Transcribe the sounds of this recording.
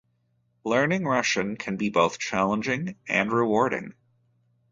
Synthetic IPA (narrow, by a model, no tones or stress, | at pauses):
lɜ̃˞nɪ̃ŋɹʌʃɨ̃nkʰɨ̃nbiboʊθt͡ʃʰælˠə̃nd͡ʒɪ̃ŋɨ̃nɹɨwɔɹɾɪ̰̃ŋ